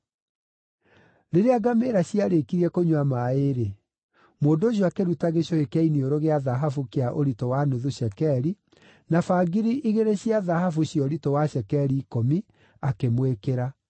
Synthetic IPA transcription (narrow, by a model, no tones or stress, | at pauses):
ɾeɾeaɡameɾaɕiaɾekiɾiɛkoɲwamaeɾe | moːndoːɕ̬jɔakeɾutaɣeɕjɔekɛinioɾoɣeaðaɦafukeaʔoɾitɔwanoðuɕɛkɛɾi | nafaɡiɾiʔiɣeɾeɕiaðaɦafuɕjɔɾitɔwaɕɛkɛɾiːkomi | akemwekeɾa